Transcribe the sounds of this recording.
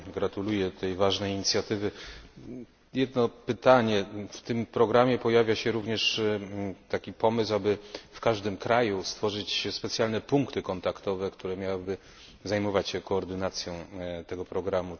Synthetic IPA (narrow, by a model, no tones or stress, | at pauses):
ɡɾat̪ulujɛt̪ɛjvaʐnɛjiɲit̪sʲjat̪ɘvɘ | jɛd̪nɔpɘt̪aɲɛft̪ɘmpɾɔɡɾamʲjɛpɔjavʲjaɕɛɾuvɲɛʂ | t̪akʲipɔmɘswabɘfkaʐd̪ɘmkɾajust̪fɔʐɘt͡ɕspɛt̪sjalnɛpuŋkt̪ɘkɔnt̪akt̪ɔvɛkt̪uɾɛmʲjawɘbɘ | zajmɔvat͡ɕɕɛkɔːɾd̪ɘnat̪sʲjɔ̃w̃t̪ɛɡɔpɾɔɡɾamu